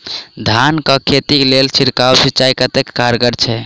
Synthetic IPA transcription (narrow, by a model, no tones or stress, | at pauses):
d̪ʱankəkʰet̪iklelt͡ʃʰiɾkawsit͡ʃaikət̪ekːaɾɡəɾt͡ʃʰɛ